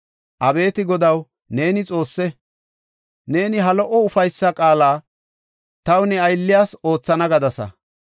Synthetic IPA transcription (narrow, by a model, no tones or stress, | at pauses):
ʔɐbe̞ːt̪ɪɡɔd̪ɐw | ne̞ːnɪt͡sʼo̞ːsːɛ | ne̞ːnɪɦɐlɔʔɔʊfɐjsːɐkʼaːlaː | t̪ɐwnɛɐjlːɪjaːso̞ːt͡sːɐnɐɡɐd̪ɐsɐ̰